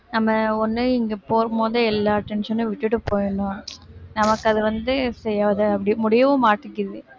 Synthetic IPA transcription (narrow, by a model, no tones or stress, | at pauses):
nɐmːɐɔnːɯɪŋɡɐpoːɾɐmoːðɯɛlːaːʈːɛnʂɐnɯ̃ʋɪʈːɯʈːɯpoːjɐɳʊ̃nɐmɐkːɯɐðɯʋɐnd̪ɯsɛjːaːɐðɯɐpːɐɽɪmʊɽɪjɐʋõmaːʈːɯkːɪðɯ